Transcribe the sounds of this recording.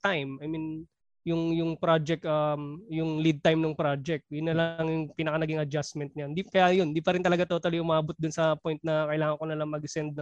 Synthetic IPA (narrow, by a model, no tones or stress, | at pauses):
t̪ajmɐjmin | jʊŋjʊŋpɾad͡ʒɛk̚t̪amjʊŋlid̪̚t̪ajmnoŋpɾad͡ʒɛk̚t̪̚jʊnːɐlɐɐŋjʊŋpiːnɐkɐnɐɡiŋɐd͡ʒasmɛnt̪̚ɐjand̪ikɐjajond̪iːpɐɾɪnt̪ɐlɐɡat̪ot̪ɐlɪʔʊmaːbot̪̚d̪ʊnsɐpojnt̪̚nɐkɐʔɪlaːŋɐŋkonɐlɐŋmɐɡsɛnd̪̚ɐ